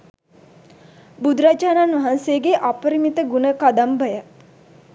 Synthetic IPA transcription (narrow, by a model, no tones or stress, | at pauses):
bud̪ɾad͡ʒaːnanʋɐɦanseəɡeʔapəɾimit̪əɡunəkad̪ambəjə